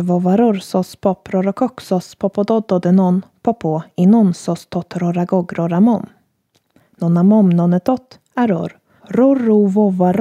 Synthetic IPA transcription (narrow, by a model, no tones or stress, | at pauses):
vɔvaɾɔɾsɔspʰɔpɾɔɾɔkʰɔksɔspʰɔpɔd̪ɔd̪ɔd̪ənɔnpʰɔpʰoinɔnsɔst̪ʰɔt̪ɾɔɾaɡɔɡɾɔɾamɔm | nɔnamɔmnɔnət̪ʰɔt̪ | aɾɔ̰ɾ | ɾɔruvɔvaɾ